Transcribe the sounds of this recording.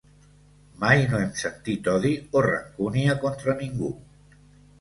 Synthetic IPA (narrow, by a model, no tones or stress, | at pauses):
majnoemsant̪it̪ɔðiora̰ŋkuniakont̪ɾanĩŋɡṵ